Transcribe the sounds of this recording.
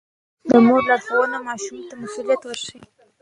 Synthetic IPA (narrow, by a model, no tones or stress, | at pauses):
d̪əmoɾlɑɽxawənomɑʃumt̪amasulijat̪wəɾʃəwi